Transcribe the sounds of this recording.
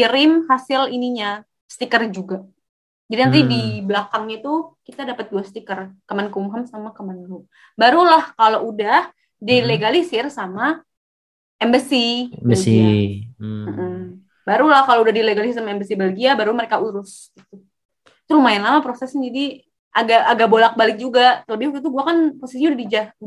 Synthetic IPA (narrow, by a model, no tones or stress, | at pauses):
iɾɪmhasɪliniɲa | sət̪ikərd͡ʒuɡa | d͡ʒadiant̪idiblakaŋɲat̪ukit̪adapat̪̚luast̪ikərkəmankumɦəmsamakəmanlu | baɾulahkaloʔudah | dileɡalisɪrsama | ɛmbəsibəsi | m̩ʔm̩ | baɾulahkaloudahdileɡalisɪsamaɛmbəsibəlɡiabaɾuməɾekauɾʊs | ɡit̪u | t̪uɾumaɪnlamapɾosɛsɲad͡ʒadi | ʔaɡaʔːɡabolak̚balɪk̚d͡ʒuɡat̪ələbɪhuɾut̪uɡuakanposɛsɲaudahdid͡ʒa